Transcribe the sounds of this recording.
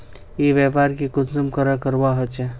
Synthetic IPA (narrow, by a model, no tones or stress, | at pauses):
jeːʋjɛːpaːɾkikʊsəmkəɾəkəɾwaɦot͡ʃɛ